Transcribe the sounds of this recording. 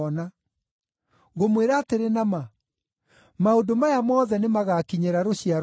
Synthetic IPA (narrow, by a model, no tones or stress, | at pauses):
ɔna | ɣomweɾaːteɾenama | maodomajamɔːðɛnemaɣakiɲeɾaɾoɕiaɾ